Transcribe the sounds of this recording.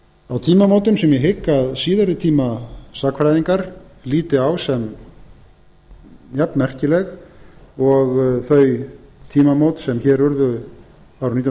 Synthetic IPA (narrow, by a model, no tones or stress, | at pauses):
awt̪ʰiːmamowt̪ʏmsɛmjɛɦɪkːaðsiːðʏɾʏt̪ʰiːmasakfɾajðiŋkaɾliːt̪ɪawsɛm | jɛpnmɛr̥cɪlɛɣ | ɔɣθœɥjt̪ʰiːmamowt̪sɛmçɛːɾʏɾðʏ | awɾʏnit̪j